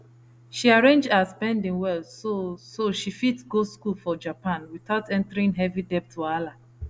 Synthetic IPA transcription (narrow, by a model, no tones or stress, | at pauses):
ʃiaɹẽnd͡ʒdaspɛ̃ndĩŋwɛlsosoʃifitɡoskulfɔd͡ʒapãnwiθaʊtɛ̃ntəɹĩŋɦɛvidɛp̚tʰuala